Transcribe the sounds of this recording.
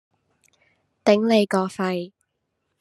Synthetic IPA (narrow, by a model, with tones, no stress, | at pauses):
t̪ɪ˨˥ŋle˨˧jkɔː˧fɐ˨˧j